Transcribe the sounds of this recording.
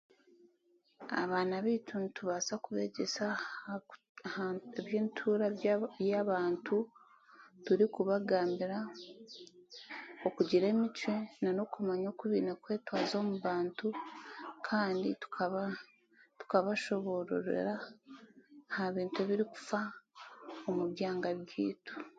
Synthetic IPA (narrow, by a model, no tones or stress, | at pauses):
a̰βaːnaβitunituβaːsakuβe̞ːɟe̞sa | eβjeːntʰuːɾajaβaːntʰu | tuɾikuβaɡaːmbiɾa | okuɟiɾe̞ːmit͡ʃwe̞nano̞kumaɲoːkuβiːnakwe̞ːtwaːzo̞ːmuβaːntukʰaːndḭtu̥kʰaβa | tu̥kaβaʃo̞βo̞ɾo̰ɾḛɾa | haβiːntueβiɾiku̥fa | omuβjaːŋɡaβjiːtu̥